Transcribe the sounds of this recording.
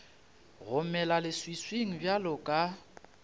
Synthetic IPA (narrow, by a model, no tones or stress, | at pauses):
ɣʊmɛlalɪswisweŋ̩bjalʊkʼa